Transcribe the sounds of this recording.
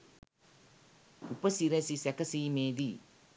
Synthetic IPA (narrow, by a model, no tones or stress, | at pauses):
upɐsiɾesisɛkɐsiːmeːd̪i